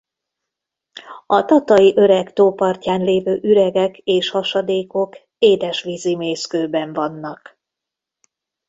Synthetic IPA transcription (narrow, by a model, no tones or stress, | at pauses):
ɒt̪ɒt̪ɒjiʔøɾɛɡt̪oːpɒrcaːnleːvøːʔyɾɛɡɛkeːʃhɒʃɒd̪eːko̞k | eːd̪ɛʃʋizimeːskøːbɛɱvɒnːɒk